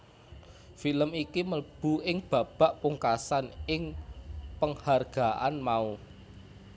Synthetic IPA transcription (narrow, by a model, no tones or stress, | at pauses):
filəmikiməb̥ṳɪŋb̥ä̤b̥a̤ʔpuŋkasanɪŋpəŋharɡ̥a̤ʔa̰nmau